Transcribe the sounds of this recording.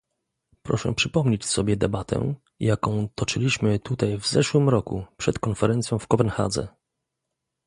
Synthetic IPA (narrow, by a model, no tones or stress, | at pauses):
pɾɔ̰ʂɛ̰pʂɘpɔmɲet͡ɕsɔbʲjɛd̪ɛbat̪ʰɛ̰ | jakɔ̃w̃t̪ɔt͡ʂɘlʲiɕmɘt̪ut̪ajvzɛʂwɘmɾɔkupʂɛt̪kɔnfɛɾɛnt̪sjɔ̃w̃fkɔpɛnxa̰d̪zɛ̰